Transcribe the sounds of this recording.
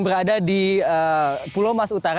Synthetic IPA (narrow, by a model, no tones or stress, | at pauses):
bəɾadadiəpulomasut̪aɾ